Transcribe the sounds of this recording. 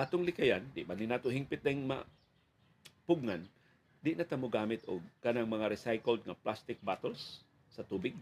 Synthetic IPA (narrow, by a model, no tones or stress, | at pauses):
ʔat̪oŋlɪkajand̪ɪʔbanɪnaːt̪ohɪŋpɪt̪̚d̪ɐɪŋma̰ | pʊɡ̚ŋan | d̪ɪʔnat̪amʊɡaːmɪt̪oɡ̚kanaŋmɐŋaɾɪsajkəld̪̚ŋɐplast̪ɪk̚bat̪ɛlsː | ɐt̪uːbɪɡ̚